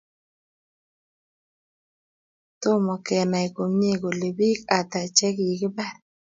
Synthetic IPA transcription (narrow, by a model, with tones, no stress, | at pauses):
t̪ʊ˦mɔ˨kɛ˨na˨i˨ko˨mɲe˦˨ɡo˨le˨bi˦ka˨t̪a˨t͡ʃɛ˦kji˨kɪ˦bɛ˦˨